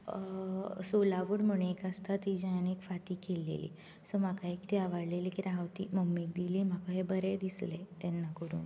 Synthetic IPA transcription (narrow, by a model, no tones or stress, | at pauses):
solaʋəɽm̤əɽ̃eekəst̪at̪ːid͡ʑaanekfat̪iːkelːḛlḭː | səm̤akaekt̪iaʋaɽlelikiɾaɦəʋt̪iːməmːik̚d̪iliːm̤akəɦebəɾed̪islet̪ɛnːakəɾṵːn